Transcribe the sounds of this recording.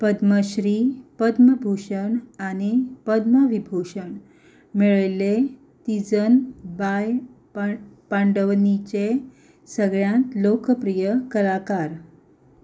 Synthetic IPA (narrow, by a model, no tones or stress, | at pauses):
pəd̪məɕɾipəd̪məbʱuɕəɳanipəd̪məʋibʱoɕəɳ | meɭəjle | t̪id͡zənbaj | pãɳɖəʋnit͡ɕe | səɡɭjãnt̪lokəpɾijəkəlakaɾ